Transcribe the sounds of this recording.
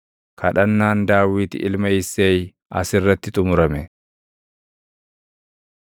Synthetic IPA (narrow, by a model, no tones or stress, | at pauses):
kʰɐᶑɐnːaːnd̪aːwiːt̪ɪ̰ʔɪlmɐɪsːeːj | ɐ̰sɪrːɐt̪ːɪt̪ʼʊmʊɾɐmɛ